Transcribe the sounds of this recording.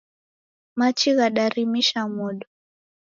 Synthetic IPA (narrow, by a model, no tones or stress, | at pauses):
mat͡ʃiɣaɗaɾimiʃamuɗɔ